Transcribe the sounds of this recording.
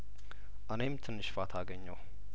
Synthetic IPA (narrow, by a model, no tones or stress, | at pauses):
ʔanemt̪ʰɨnːɨʃfat̪ʰaɡəɲːəw